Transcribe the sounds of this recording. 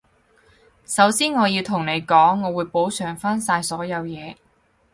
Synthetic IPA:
sɐ˨˥wsiː˥nŋɔː˨˧jiː˧wt̪ʰʊ˨˩ŋne˨˧jkɔː˨˥ŋːɔː˨˧wuː˨˧jpo˨˥wsœː˨˩ŋfaː˥nsaː˧jsɔː˨˥jɐ˨˧wjɛː˨˧

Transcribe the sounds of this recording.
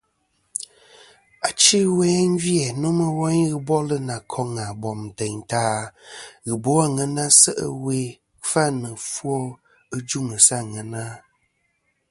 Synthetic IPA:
a˨t͡ʃi˦wɛː˦n̩˦vjɛ˨no˦mə˦wɔ˦ɲɣɨ˦bɔ˦lə˦na˨kʰɔ˦ŋa˨bɔ˨m˨tɛ˨ɲtaː˦ | ɣɨ˨bo˨˦a˦ŋə˨na˦sə̰˦ʔə̰˦we˦ | fa˦nɨ˨fwɔ˦ | ə˦d͡ʒu˦˨ŋə˨sa˦˨ŋə˨na˦

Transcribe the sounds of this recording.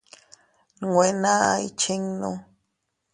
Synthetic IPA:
nŋwe˨na˦a˧i˦t͡ʃe˦ŋno˦

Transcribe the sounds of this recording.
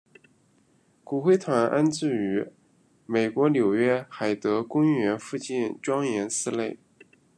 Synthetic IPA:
ku˨˩xwe˥˩ɪt̪ʰwa˧˥nʔa˥nt͡sɹ̩˥˩y˧˥ | me˨˩ɪkwɔ˧˥ljo˨˩ʊɥɛ˥xa˨˩ɪt̪ɤ˧˥kʊ˥ŋɥɛ˧˥nfu˥˧t͡ɕi˥˩nʈ͡ʂwɑ˥ŋjɛ˧˥nsɹ̩˥le˥˩ɪ

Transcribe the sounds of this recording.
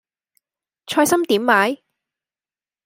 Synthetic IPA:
t͡ʃʰɔː˧jsɐ˥mt̪iː˨˥mːaː˨˥j

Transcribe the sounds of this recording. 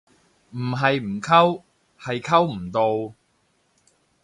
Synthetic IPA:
m̩˨˩ɦɐ˨jm̩˨˩kʰɐ˥w | hɐ˨jkʰɐ˥wm̩˨˩t̪o˧w

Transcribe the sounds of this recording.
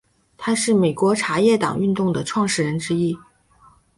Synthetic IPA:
t̪ʰa˥ʂɻ̩˥˩me˨˩ɪkwɔ˧˥ʈ͡ʂʰa˧˥jɛ˥˩t̪ɑ̰˨˩ŋy˥˧nt̪ʊ˥˩ŋd̪ə˩ʈ͡ʂʰwɑ˥˧ŋʂɻ̩˥˩ɻə˧˥nʈ͡ʂɻ̩˥i˥

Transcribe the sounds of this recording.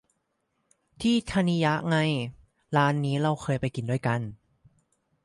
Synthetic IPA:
t̪ʰiː˥˩t̪ʰa˧ni˧ja˦˥ʔŋa˧j | laː˦˥nːiː˦˥ɾa˧wkʰɤː˧jpa˧jki˨˩ndu˥˩əjka˧˥n

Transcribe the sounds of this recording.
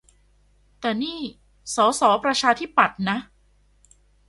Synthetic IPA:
t̪ɛː˨˩niː˥˩ | sɔː˩˦sɔː˩˦pɾa˧t͡ɕʰaː˧t̪ʰi˦˥˩pːa˨˩t̪̚na˦˥

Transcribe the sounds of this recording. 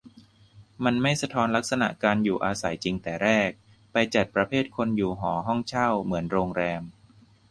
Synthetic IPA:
ma˧nma˥˩jsa˧t̪ʰɔː˦˧˥nla˦˥k̚sa˧na̰˨˩ʔkaː˧njuː˨˩ʔaː˧sa˩˦jt͡ɕi˧ŋt̪ɛː˨˩ɾɛː˥˩k̚ | pa˧jt͡ɕa˨˩t̪̚pɾa˧pʰeː˥˩t̪̚kʰo˧njuː˨˩ɦɔː˩˦ɦɔ˥˩ŋt͡ɕʰa˥˩wmɯ˩˦ənɾoː˧ŋɾɛː˧m

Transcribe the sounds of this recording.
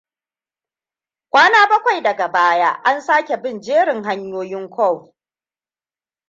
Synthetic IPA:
kʷaː˦naː˦bɐ˦kʷa˨jdɐ˨ɡa˨baː˦ja˦ʔa˦nsaː˦kʲe˨bɪ˦˨nd͡ʒeː˦ɽɪ˨ŋɦa˦ɲjoː˦jɪ˦ŋkʷɔ˦˨w

